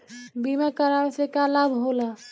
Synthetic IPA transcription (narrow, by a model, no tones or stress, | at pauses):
bimakəɾamẽsekalabʱɦola